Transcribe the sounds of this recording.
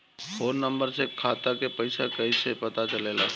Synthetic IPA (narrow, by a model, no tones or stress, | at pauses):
foːnːə̃mbəɾsekʰaːt̪akepɐɪsakɐisepɐt̪at͡ʃəleːla̰ː